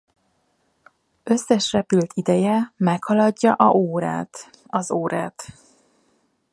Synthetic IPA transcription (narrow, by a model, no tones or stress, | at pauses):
ø̞sːɛʃrɛpylt̪ʰid̪ɛjɛmɛkhɒlɒɟːɒʔɒoːɾa̰ːt̪ | ɒzoːɾaːt̪